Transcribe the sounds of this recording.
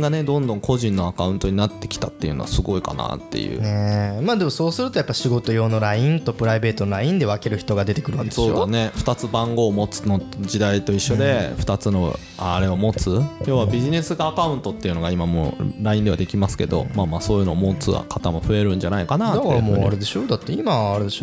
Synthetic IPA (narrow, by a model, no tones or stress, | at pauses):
ɡane̞d̪õ̞nd̪õ̞ŋkʰo̞ʑĩnːo̞akaɯ̟̃nt̪o̞ɲ̟inat̪ːe̞kʲi̥t̪at̪ːe̞iɯ̟no̰a̰sɨɡo̞ika̰na̰t̪ːe̞̰jɯ̟̰ːnemaːd̪e̞mo̞so̞ːsɨɾɯ̟t̪o̞japːaɕiɡo̞t̪o̞jo̞ːno̞ɾaĩnt̪o̞pɯ̟ɾaibe̞ːt̪onoɾaĩnd̪e̞βake̞ɾɯ̟çi̥t̪o̞ɡad̪e̞t̪e̞kɯ̟ɾɯasod̪ane̞ɸɯ̥t̪at͡sɨbãŋɡo̞ːmo̞t͡sɨ̥no̞d͡ʑid̪ait̪o̞iɕːod̪e̞ɸɯ̟̥t̪at͡sɨno̞ | aɾe̞omo̞t͡sɨjo̞ːβabʲiʑine̞sɨɡaːkaɯ̟̃nt̪o̞t̪ːe̞iɯ̟no̞ɡaimamo̰ɾaĩnd̪e̞βad̪e̞kʲimasɨ̥ke̞̰d̪o̞̰maːmaːso̞ːjɯ̟no̞ːmo̞t͡sɨβa̰kʰat̪amoɸɯ̟e̞ɾɯ̟̃ɲ̟d͡ʑanaikanad̪akɾmoːaɾe̞d̪e̞ɕo̞d̪at̪ːe̞imaːɾed̪e̞ɕo